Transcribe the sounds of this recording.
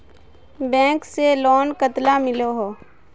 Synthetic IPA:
bɛ̃ːkselɔːnkət̪lamɪloɦoː

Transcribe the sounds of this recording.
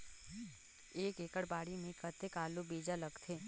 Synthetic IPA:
eːkeːkəɽbaːɽimẽkət̪ekaːlubeːd͡ʒaləɡt̪ʰeː

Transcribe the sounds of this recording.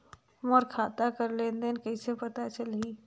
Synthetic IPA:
mɔːɾkʰaːt̪akəɾleːnd̪enkəisepɐt̪at͡ʃəlɦiː

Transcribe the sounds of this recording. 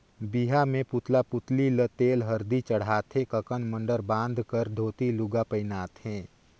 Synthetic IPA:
biɦamẽpʊt̪lapʊt̪lilət̪eːlɦɐɾd̪it͡ʃəɽ̤aːt̪ɦẽkəkənmə̃ɳɖəɾbãːnd̪ʱkəɾd̪ʱoːt̪ilʊɡapəɪnaːt̪ɦɛ̃ː

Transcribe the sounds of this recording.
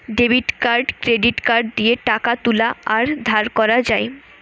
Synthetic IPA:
ɖebiʈkaɾɖkɾeɖiʈkaɾɖ̚d̪ieʈakat̪ulaaɾd̪ʱaɾkɔɾad͡ʑae

